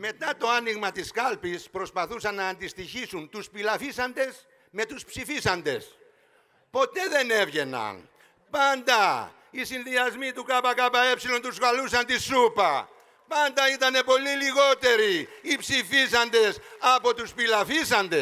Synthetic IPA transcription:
me̞t̪ɐt̪o̞ɐniɣmɐt̪iskɐlpispɾo̞spɐθusɐnːɐːnd̪ist̪içisunt̪uspilɐfisɐnd̪e̞s | me̞t̪uspsifisɐnd̪e̞̰s | po̞t̪e̞ðe̞ne̞vʝe̞nɐ̰n | pɐnd̪ɐ | isinðiɐzmit̪ukɐpɐkɐpɐe̞psilo̞nt̪usɣɐlusɐnt̪isupɐ | pɐnd̪ɐit̪ɐne̞po̞liliɣo̞t̪e̞ɾiːpsifisɐnd̪e̞sɐpo̞t̪uspilɐfisɐnd̪e

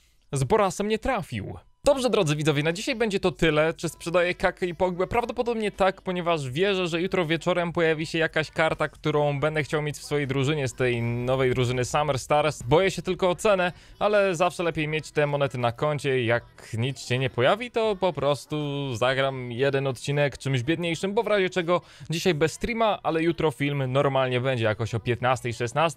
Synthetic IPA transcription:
zbɔɾasɛmɲɛt̪ɾafʲḭw | d̪ɔbʐɛd̪ɾɔd̪zɛvʲid̪zɔvʲjɛnad͡ʑiɕajbɛɲd͡ʑɛt̪ɔt̪ɘlɛt͡ʂɘspʂɛd̪ajɛkakɛipɔɡwɛpɾavd̪ɔpɔd̪ɔbɲɛt̪akpɔɲɛvaʐvʲjɛʐɛʐɛjut̪ɾɔvʲjɛt͡ʂɔɾɛmpɔjavʲiɕɛjakaɕkaɾt̪akt̪uɾɔ̃w̃bɛnd̪ɛxt͡ɕawmʲjet͡ɕfsfɔjejd̪ɾuʐɘɲɛst̪ɛjnɔvɛjd̪ɾuʐɘnɘsamɛɾst̪aɾɛsbɔjɛɕɛt̪ɘlkɔːt̪sɛnɛ | alɛzafʂɛlɛpʲjejmʲjet͡ɕt̪ɛmɔnɛt̪ɘnakɔɲt͡ɕɛjak | ɲit̪sɕɛɲɛpɔjavʲit̪ɔpɔpɾɔst̪uzaɡɾamjɛd̪ɛnɔt̪̚t͡ɕinɛkt͡ʂɘmʑbʲjɛd̪ɲejʂɘmbɔvɾaʑɛt͡ʂɛɡɔ | d͡ʑiɕajbɛst̪ɾʲimaʔʔalɛjut̪ɾɔfʲilmnɔɾmalɲɛbɛɲd͡ʑɛjakɔɕɔpʲjɛt̪nast̪ɛjʂɛsnast̪

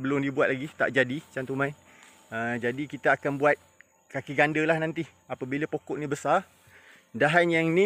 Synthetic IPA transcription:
bəlʊmdibuwat̪̚laɡit̪a̰ʔd͡ʒadit͡ʃant̪umãn | əd͡ʒadikit̪aːkanbuat̪̚ | kakiɡandəlahnãnt̪i | apabilapokɔʔnĩbəsar | daɦanjaŋnĩ

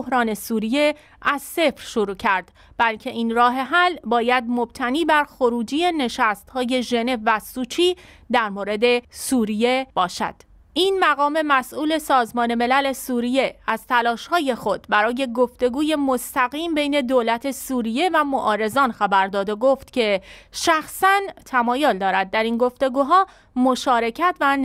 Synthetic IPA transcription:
hɾɒːne̞suːɾije̞ | ʔæz̥se̞fɾʃoɾuːcʰæɾd̪̥ | b̥ælcʰe̞ʔiːnrɒːɦe̞ɦælbɒːjæd̪̚mo̞b̥̚t̪ʰæniːbæɾxo̞ɾuːd͡ʒije̞ne̞ʃæst̪hɒːje̞ʒe̞ne̞vːæsuːt͡ʃʰiː | d̪æɾmoːɾe̞d̪e̞suːɾije̞b̥ɒːʃæ̰d̪̥ | ʔiːnmæɣɒːme̞mæsʔuːle̞sɒːzmɒːne̞me̞læle̞suːɾije̞æz̥t̪ʰælɒːʃhɒːje̞xo̞d̪bæɾɒːje̞ɡo̞ft̪e̞ɡuːje̞most̪æɣiːmbe̞jne̞d̪oːlæt̪ʰe̞suːɾije̞væmoʔɒːɾe̞zɒːnxæbæɾd̪ɒːd̪oɡoːft̪cʰe̞ʃæxsænt̪ʰæmɒːjold̪ɒːɾæd̪̚ːæɾinɡo̞ft̪e̞ɡuːɦɒː | moʃɒːɾe̞cʰæt̪ʰvæ

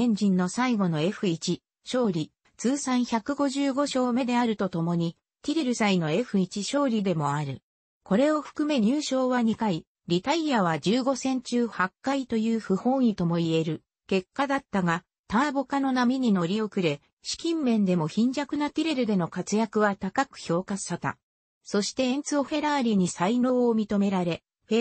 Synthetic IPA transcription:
ẽ̞ɲ̟d͡ʑĩnːo̞saiɡo̞no̞e̞ɸɯ̟it͡ɕi | ɕo̞ːɾʲi | t͡sɨːsãɰ̃çakɯ̟ɡo̞ʑɨːɡo̞ɕo̞ːme̞d̪e̞aɾɯ̟t̪o̞t̪o̞mo̞ɲ̟i | t̪ʲiɾe̞ɾɯ̟saino̞e̞ɸɯ̟it͡ɕiɕo̞ːɾʲid̪e̞mo̞aɾɯ̟ | ko̞ɾe̞o̞ɸɯ̟̥kɯ̟me̞ɲɯːɕo̞ːβaɲ̟ikai | ɾʲit̪aijaβ̞ad͡ʑɨːɡo̞sẽ̞ɲ̟t͡ɕɨːhakːait̪o̞jɯ̟ːɸɯ̟hõ̞̟ːit̪o̞mo̞ie̞ɾɯ̟ | ke̞kːad̪at̪ːaɡa | t̪aːbo̞kano̞namʲiɲ̟ino̞ɾʲio̞kɯ̟ɾe̞ | ɕi̥kʲĩmːẽ̞nd̪e̞mo̞çĩɲ̟d͡ʑakɯ̟nat̪ʲiɾe̞ɾɯ̟d̪e̞no̞kat͡sɨjakɯ̟βat̪akakɯ̟̥ço̞ːkḁɕat̪a̰ | so̞ɕi̥t̪ẽ̞ːnt͡sɨo̞ɸe̞ɾaːɾʲiɲ̟isaino̞ːmʲit̪o̞me̞ɾaɾe̞ | ɸe

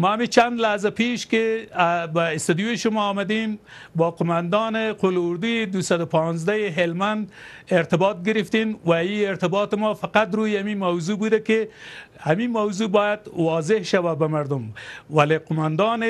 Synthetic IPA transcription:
maamit͡ʃand̪lahzapeʃkeabaɪst̪ad̪jujeʃʊmɔːmad̪em | bɑqʊmand̪ɑneqolʊɾd̪ujed̪usad̪ʊpɑ̃nzd̪ajeɦelmand̪eɾt̪ɪbɑt̪̚ɡɪɾɪft̪enwaieɾt̪ɪbɑt̪ɪmɔfaqat̪ɾujamimawzubud̪ake | hamimawzubɑjad̪wɑzɪhʃawabamaɾd̪ʊmwaleqʊmand̪ɑn

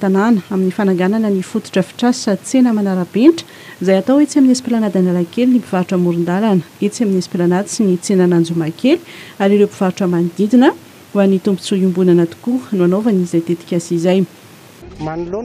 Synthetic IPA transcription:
t̪ananəaminifanaŋɡananənifut̪u̥ʈ͡ʂəfi̥ʈ͡ʂassat͡senəmanaɾabenʈ͡ʂə̥ | zajat̪awet͡siaminasi̥pelanad̪analakelinipivaɾuʈ͡ʂəmuɾund̪alanə̥et͡siaminasi̥pelanad̪it͡sinit͡senanand͡zumakeli̥aɾiɾewpi̥v̥aɾuʈ͡ʂəmand̪id̪inə | uanit̪umbu̥t͡suimbunanat̪u̥kunuanovanizajt̪et̪i̥kʲasizaj

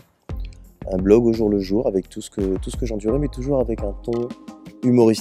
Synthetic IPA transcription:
ɛ̃blɔɡoʒuʁləʒuʁavɛk̚t̪ʰusə̥kət̪usə̥kəʒɑ̃d̪yʁɛmɛt̪uʒuʁavɛkɛ̃t̪ɔ̃ymɔʁis

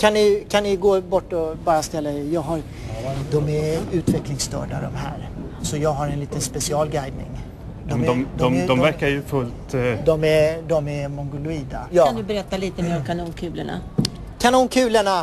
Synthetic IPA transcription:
kʰanːɪkʰanːɪɡoːbɔʈːɔbɑːɾast̪ɛlːaɛjɑːɡɦaɾ | d̪ɔmɛɾʉ̟ːt̪vɛklɪŋst̪ʰœ̰ːɖa̰d̪ɔ̰mɦæ̰ːɾ | sɔjɑːɡɦaɾɛnliːt̪ənspɛsɪɑːlɡajd̪̚nɪ̰ŋ | d̪ɔmɔd̪ɔmd̪ɔmvæɾkaɾjɵfɵlt̪d̪ɔmɛd̪ɔmɛɾmɔŋɡʊlʊiːd̪ajɑːandd̪ɵbɛɾɛt̪ːaliːt̪əmeːɾɔkʰanuːnkʰʉ̟ːləɳa̰ | kʰanuːnkʰʉ̟ːləɳa

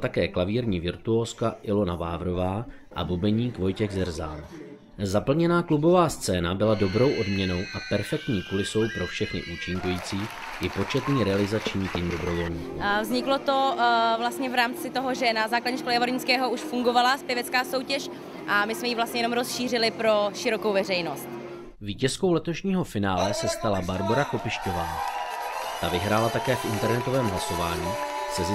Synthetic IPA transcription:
t̪akɛːklaviːɾɲiːvɪɾt̪uoːskaʔɪlo̞navaːvɾo̞vaːʔa̰bubɛɲiːkvo̞jcɛɣzɛrza̰ːn | zapl̩ɲɛnaːklubo̞vaːst͡sɛːnabɪlado̞bɾo̞wʔo̞dmɲɛno̞wʔapɛɾfɛk̚t̪ɲiːkulɪso̞wpɾofʃɛxnɪ̰ʔuːt͡ʃɪŋkujiːt͡siː | ʔɪpo̞t͡ʃɛt̪niːɾɛalɪzat͡ʃɲiːt̪iːmdo̞bɾo̞vo̞lɲḭːkṵvzɲɪklot̪o̞vlast̪ɲɛvɾaːmt͡sɪt̪o̞ɦo̞ʒɛnazaːkladɲɛʃkolɛɛvoɾɲɪt͡skɛːɦo̞uʃfuŋɡo̞valaspjɪɛvɛt͡skaːso̞wcɛʃ | ʔamɪsmɛjiːvlast̪ɲɛjɛno̞mɾo̞sʃiːr̝ɪlɪpɾo̞ʃɪɾo̞kowvɛrɛjno̞st̪ | viːcɛsko̞wlɛt̪o̞ʃɲiːɦo̞fɪnaːlɛsɛst̪alabaɾbo̞ɾako̞pɪʃco̞vaː | t̪avɪɦɾaːlat̪akɛːfʔɪnt̪ɛɾnɛt̪o̞vɛːmɦlaso̞vaːɲiː | sɛzɪ

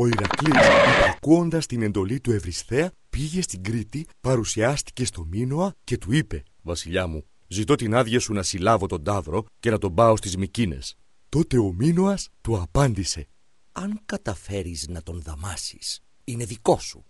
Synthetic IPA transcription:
o̞iɾɐklisipɐkuo̞nd̪ɐst̪ine̞nd̪o̞lit̪ue̞vɾist̪e̞ɐ | piʝe̞st̪iŋɡɾit̪ipɐɾusiɐst̪i̥ce̞st̪o̞minoɐce̞t̪uipe̞vɐsiʎɐmu | zit̪o̞t̪inɐðʝɐsunɐsilɐvo̞t̪o̞nd̪ɐvɾo̞ce̞nɐt̪o̞mbɐo̞st̪izmicine̞̰s | t̪o̞t̪e̞o̞minoɐst̪uɐpɐnd̪ise̞ | ɐŋkɐt̪ɐfe̞ɾiznɐt̪o̞nðɐmɐsi̥s | ine̞ðiko̞su̥

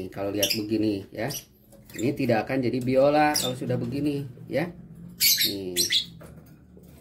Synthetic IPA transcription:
kaloliɦat̪̚bəɡinija | init̪idakand͡ʒadibiolakalosudahbəɡinija | ni

